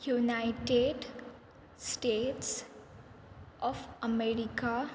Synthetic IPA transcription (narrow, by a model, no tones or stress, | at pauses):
junajɪʈeɖ | sʈeːʈs | ɔfəmeɾika